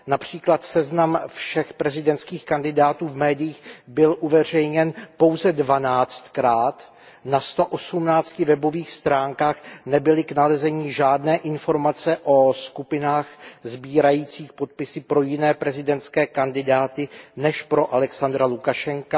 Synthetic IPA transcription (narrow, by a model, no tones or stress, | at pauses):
napr̝̥iːklat̪sɛznamfʃɛxpɾɛzɪdɛnt̪skiːxkandɪdaːt̪uːvmɛːdɪjiːxbɪlʔuvɛr̝ɛjɲɛnpo̞wzɛdvanaːt͡st̪kɾaːt̪ | nast̪o̞ʔosumnaːt͡scɪvɛbo̞viːxst̪ɾaːŋkaːxnɛbɪlɪknalɛzɛɲiːʒaːdnɛːʔɪnfo̞ɾmat͡sɛʔo̞skupɪnaːxzbiːɾajiːt͡siːxpo̞t̪̚pɪsɪpɾo̞jɪnɛːpɾɛzɪdɛnt̪skɛːkandɪdaːt̪ɪnɛʃpɾo̞ʔalɛksand̪ɾalukaʃɛŋka